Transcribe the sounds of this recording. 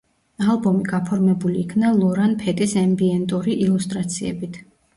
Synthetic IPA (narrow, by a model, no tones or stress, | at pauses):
alˠbɔmiɡapʰɔɾmɛbuliːkʰnalˠɔɾanpʰɛt̪ʼisɛmbiɛnt̪ʼuɾiʔilust̪ʼɾat̪sʰiɛ̰bit̪ʰ